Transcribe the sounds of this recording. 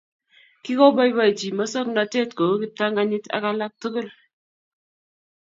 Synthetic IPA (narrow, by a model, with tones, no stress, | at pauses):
ki˦ko˦bɔ˦jba˨jt͡ʃi˨mɔ˦sɔ˦kna˨te˦tko˨˦kɪ˦ta˦ŋɡa˦ɲɪ˦ta̰˨ka˦la˦k̚tu˦kʊ˦l